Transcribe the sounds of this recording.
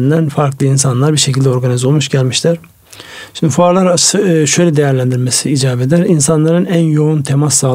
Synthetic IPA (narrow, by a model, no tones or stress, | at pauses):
nd̪ænfaɾklˠɯinsanlˠaɾbiɾʃecʰilʲd̪ɛo̞ɾɡanizo̞lˠmuʃɟælʲmiʃlʰæɾ̥ | ʃind̪ifuaɾlˠaɾaɯʃøjlʲɛd̪e̞jæɾlʲænd̪iɾme̞siːd͡ʒaːbe̞d̪æɾinsanlˠaɾɯnænjo̞unt̪ʰe̞masːaː